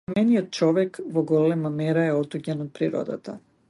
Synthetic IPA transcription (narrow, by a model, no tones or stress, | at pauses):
mɛnijɔt̪̚t͡ʃɔvɛkvɔɡɔlɛmamɛɾaɛɔd̪uɟɛnɔt̪̚pɾiɾɔ̰d̪a̰t̪a̰